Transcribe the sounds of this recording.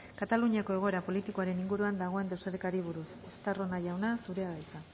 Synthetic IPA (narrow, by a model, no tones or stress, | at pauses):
kat̪aluɲiako̞e̞ɣ̞o̞e̞ɾapo̞lit̪iko̞aɾe̞niŋɡuɾuand̪aɣ̞o̞e̞nd̪eseɾekaɾiβ̞uɾusost̪aronaʝawnasuɾe̞aβajt͡s̪a